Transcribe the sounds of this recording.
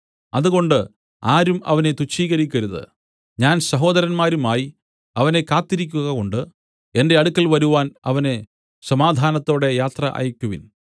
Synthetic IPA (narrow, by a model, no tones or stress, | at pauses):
ɐðuɣo̞ɳɖɨ | aːɾumɐ̰ʋɐne̞t̪ut͡ɕːiːɣɐɾikʲːɐɾuðɨ̰ | ɲaːnsɐɦo̞ːd̪ɐɾɐnmaːɾumaːji | ɐʋɐne̞kaːt̪ːiɾikʲːuɣɐko̞ɳɖɨ | e̞nde̞ɐɽukːɐlʋɐɾuʋaːnɐ̰ʋɐne̞ | sɐmaːd̪ʱaːnɐt̪ːo̞ːɽe̞jaːt̪rɐʔɐ̰ːjɐkʲːuʋin